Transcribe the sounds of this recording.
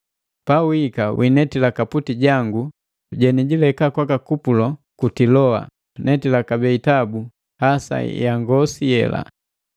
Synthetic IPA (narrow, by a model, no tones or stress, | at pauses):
pawikawʔinɛtilakaputiɟaŋɡu | ɟɛniɟilɛkakwakakupulɔkutilɔa̰ | nɛtilakabɛitabu | hasa̰jaŋɡɔsijɛ̰la̰